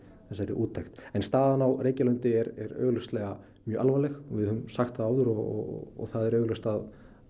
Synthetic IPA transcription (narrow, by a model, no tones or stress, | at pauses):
θɛsːaɛɾɪ̰ʔuːt̪ʰːaxt̪ɛnst̪aːðanawreːjcalœnt̪ɪɛɾɛɾœ̰ːɣlœst̪lɛɣa | mjœːʔalvalɛxvɪðhʏmsaxt̪θaðaːwðʏɾɔɔ̰ɔ̰θaðɛɾœːɣlœst̪að